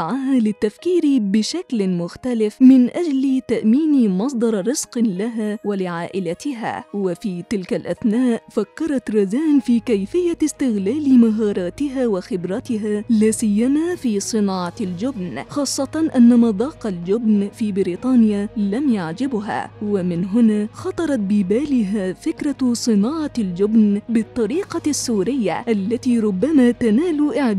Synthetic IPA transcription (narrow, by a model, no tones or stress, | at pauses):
aʕaɦalɪt̪ːafkiːɾibɪʃaklmʊxt̪alɪfmɪnʔad͡ʒlt̪aʔmiːnmɑsˤd̪ˤɑɾˤɾɪz̥qlaɦawalɪʕaːʔɪlat̪ɪɦa̰ːwɪfiːt̪ɪlkalʔaθnaːʔfakːɑɾˤɑt̪ɾˤɑzaːnfiːkajfɪjːast̪ɪɣlaːlmaɦɑːɾˤɑːt̪ɪɦawɪxɪbɾat̪ɪɦalaːsɪjːamaːfiːsˤɨnɑːʕɑld͡ʒʊbnxɑːsˤːɑt̪ɑʔanːamɑd̪ˤɑːqɑld͡ʒʊbnfiːbɪɾiːt̪ˤɑːnɪjalamjaʕd͡ʒɪbɦa̰ːwamɪnɦʊnaxɑt̪ˤɑɾˤɑt̪̚bɪbaːlɪɦaːfɪkɾˤɑsˤɨnɑːʕɑld͡ʒʊbnbɨt̪ˤːɑɾiːqɑsːuːɾɪjːa̰ʔalːat̪iːɾˤʊbːamaːt̪anaːluʔɪʕd̪